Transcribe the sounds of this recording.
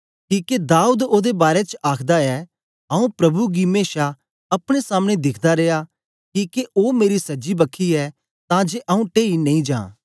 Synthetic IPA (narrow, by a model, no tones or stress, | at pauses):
kiːked̪aːuːd̪oːd̪ebaːɾet͡ʃaːkʰd̪aɛː | ɐũpɾɐbuɡimeːʃa | ɐpɽ̃esaːməɽ̃ed̪ɪkʰd̪aɾeːa | kiːkeʔoːmeːɾisɐd͡ʒibɐkʰiɛː | t̪ãd͡ʒeːʔɐũʈeːinɐ̃ĩd͡ʒã̰ː